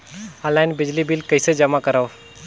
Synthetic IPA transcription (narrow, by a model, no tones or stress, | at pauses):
alajnbɪd͡ʒlibilkəjsed͡ʒəmakəɾaw